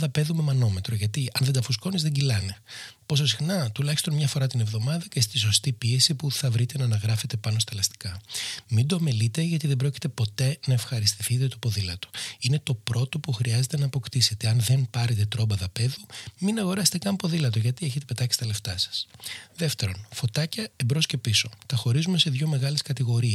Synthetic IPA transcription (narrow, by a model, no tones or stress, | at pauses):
ðɐpe̞ðume̞mɐno̞me̞t̪ɾo̞ʝɐt̪iɐnðe̞nd̪ɐfusko̞nizðe̞ɟilɐne̞po̞s̬o̞sixnɐt̪ulɐçist̪o̞nmɲɐfo̞ɾɐt̪ine̞vðo̞mɐðɐce̞st̪is̬o̞st̪ipie̞sipuθɐvɾit̪e̞nɐːnɐɣɾɐfe̞t̪e̞pɐno̞st̪ɐlɐst̪i̥kɐmind̪oɐmelit̪e̞ʝɐt̪iðe̞mbɾoci̥t̪e̞po̞t̪e̞nɐefxɐɾist̪iθit̪e̞t̪opo̞ðilɐt̪u̥ine̞t̪o̞pɾo̞t̪o̞puxɾiɐze̞t̪e̞nɐːpo̞kt̪ise̞t̪e̞ɐnðe̞npɐɾe̞t̪e̞t̪ɾo̞bɐðɐpe̞ðuminɐɣo̞ɾɐse̥t̪ekɐmpo̞ðilɐt̪̬o̞ʝɐt̪ieçe̞t̪e̞pet̪ɐci̥st̪ɐle̞ft̪ɐsɐ̥sðe̞ft̪e̞ɾo̞nfo̞t̪ɐcɐembɾo̞sce̞piso̞t̪ɐxo̞ɾizume̞se̞ðʝo̞me̞ɣɐleskɐt̪iɣo̞ɾie